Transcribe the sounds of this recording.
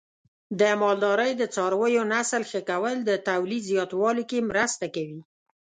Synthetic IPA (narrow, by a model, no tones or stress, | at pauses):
d̪əmɑld̪ɑɾəjd̪ət͡sɑɾwəjonasəlxəkawəld̪ət̪awlizjɑt̪wɑlokemɾəst̪akawi